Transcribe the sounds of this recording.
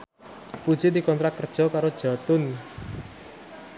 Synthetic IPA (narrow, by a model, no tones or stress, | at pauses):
pud̥ʒ̥id̪ikɔnt̪ɾat̪̚kərd̥ʒ̥ɔ̤kaɾod̥ʒ̥a̤t̪ʊn